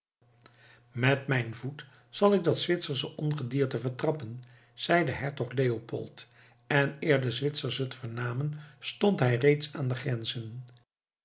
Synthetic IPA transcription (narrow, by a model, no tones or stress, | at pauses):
mɛtmɛjnvut | sɑlˠɪɡ̚dɑtsʋɪtsəɹsəʔɔnχədiːɹtəvəɹtrɑpən | z̥ɛjdəɦɛɹtɔχlejopɔ̰lˠt | ɛnɪːɹdəzʋɪtsəɹsətfəɹnaːmənstontɦɛjrejtsaːndəχrɛnzən